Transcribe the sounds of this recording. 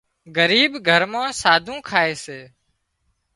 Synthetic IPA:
ɡəɾiːbɡʱəɾmãːsaːd̪ʱũːkʰaːeːseː

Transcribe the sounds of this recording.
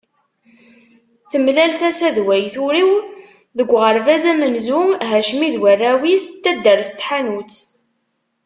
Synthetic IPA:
θəmlælθæsæðwæjθʊɾiw | ðəɡʷːʁəɾvæzæmənzuɦæʃmiðwərːæwist̪ːæd̪ːəɾθət̪ːħanut͡s

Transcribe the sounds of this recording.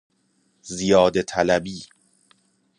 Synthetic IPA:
zijɒːd̪et̪ʰælæbiː

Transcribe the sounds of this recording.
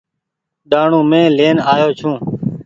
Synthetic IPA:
ɗaːɳũːmẽːleːnaːjoːt͡ʃʰũː

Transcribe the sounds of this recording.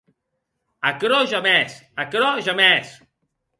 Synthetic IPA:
akɾɔʒamɛsakɾɔʒamɛs

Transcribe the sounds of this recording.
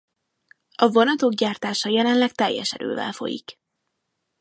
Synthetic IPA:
ɒvonɒt̪o̞ɡɟaːrt̪aːʃɒjɛlɛnlɛk̚t̪ɛjːɛ̰ʃɛɾø̰ːvɛ̰lfo̞̰jḭk

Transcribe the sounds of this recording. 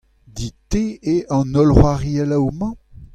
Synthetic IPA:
diteeɑ̃nɔlʁwaʁiɛlawmɑ̃

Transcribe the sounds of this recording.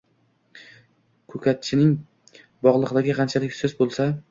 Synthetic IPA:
kʰɵkʲʰat̪̚t͡ʃʰɪnɪŋ | bɒʁlˠɨqd̪aɡʲɪqʰɑnt͡ʃʰalɪkʲsɵzbolˠsa

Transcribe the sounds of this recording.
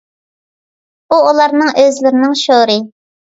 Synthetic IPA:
uːlˠɑɾnɨŋʔøzlɪɾɪnɪŋʃoɾɨ

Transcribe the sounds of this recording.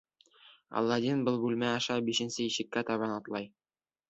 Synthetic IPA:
ɒ̰lˠːɑd̪inbɤlˠbʉlmæɑʃɑbiʃɘ̆nsɘiʃɘ̆kːæt̪ɒβɑnɒt̪lˠɑj

